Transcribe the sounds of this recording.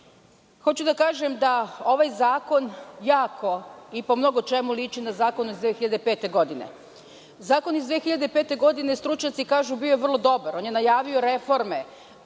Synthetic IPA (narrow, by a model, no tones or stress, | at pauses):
xo̞t͡ɕud̪akaːʒe̞md̪ao̞ʋajzaːko̞njaːkʰo̞ipo̞mno̞ɡot͡ʃe̞mulit͡ʃinazaːko̞nuizd̪exiʎad̪epe̞ːt̪e̞ɡo̞d̪ine̞̰ | zaːko̞nizd̪ʋeːxiʎad̪epeːt̪e̞ɡo̞d̪ine̞st̪ɾut͡ʃɲat̪sikaːʒubioʋrlˠo̞d̪o̞baɾo̞ːnje̞najaːʋio̞ɾe̞fo̞ɾme̞